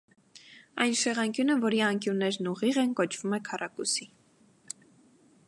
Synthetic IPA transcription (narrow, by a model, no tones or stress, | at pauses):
ɑ̰jnʃɛʁɑŋkjunəvɔɾiɑŋkjunːɛɾnuʁiʁɛnkɔt͡ʃʰv̥umɛkʰɑrɑkusi